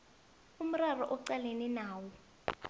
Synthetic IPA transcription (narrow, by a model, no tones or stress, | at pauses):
um̩rarɔʔɔǀaleninaːwɔ